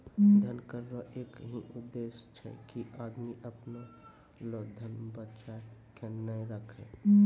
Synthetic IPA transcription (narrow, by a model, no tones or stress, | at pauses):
d̪ʱənkəɾːoʔeːkɦiʔʊd̪ːeːʃt͡ʃʰɛ̰kiʔaːd̪miʔəpno | loːd̪ʱənbət͡ʃakenəẽɾəkʰḛ̃ː